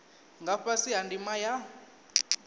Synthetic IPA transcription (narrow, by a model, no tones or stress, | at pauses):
ŋɡaɸasiɦandʱimaja